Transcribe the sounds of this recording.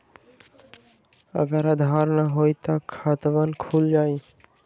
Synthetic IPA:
ə̰ɡəɾəd̪ʱaːɾnəɦoːit̪əkʰaːt̪ʋankʰuːld͡ʒaːi

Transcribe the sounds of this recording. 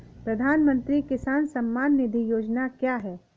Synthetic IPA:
pɾɐd̪ʱaːnmə̃nt̪ɾikɪsaːnsɐmːaːnːɪd̪ʱijoːd͡ʒnakjaːɦɛː

